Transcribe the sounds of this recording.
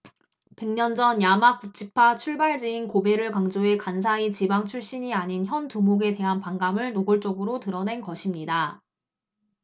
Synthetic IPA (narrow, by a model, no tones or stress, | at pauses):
pe̞ŋɲʌnd͡ʑʌnjamak̚k͈ut͡ɕ͈ipʰat͡ɕʰuɭbaɭd͡ʑiinkobe̞ɾɯɭkaŋd͡ʑoe̞kansʰait͡ɕibaŋt͡ɕʰuɭɕ͈iɲiaɲinçjʌntumoɡe̞te̞ɦanpaŋɡamɯɭnoɡɯɭt͡ɕ͈ʌɡɯɾotɯɾʌne̞nkʌɕʰimɲida